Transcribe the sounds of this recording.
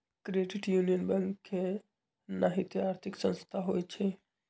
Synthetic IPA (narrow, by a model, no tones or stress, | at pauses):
kɾeːɖɪʈjuːnijənbɛ̃ŋkkʰːe | naɦɪt̪iaːɾt̪ʰɪksə̃nst̪ʰaɦoːit͡ʃʰe